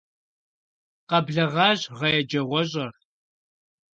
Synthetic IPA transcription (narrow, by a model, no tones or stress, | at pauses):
qɐbɮɐʁɑːʑʁɐjɛd͡ʒɐʁʷɔɕ̬ʼɐr